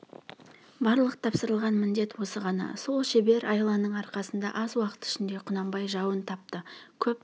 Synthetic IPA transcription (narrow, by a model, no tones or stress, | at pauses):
bɑɾlˠəqt̪ʰɑpsəɾəlˠʁɑnmɪnd̪e̞t̪wo̞səʁɑnɑ̰so̞lˠʃe̞be̞ɾʔɑjlˠɑnəɴɑɾqɑsənd̪ɑ̰ʔɑzwɑqə̥t̪ɪ̥ʃɪnd̪e̞qʰʊnɑmbɑjʒɑwənt̪ʰɑp̚t̪əkʲʰɵp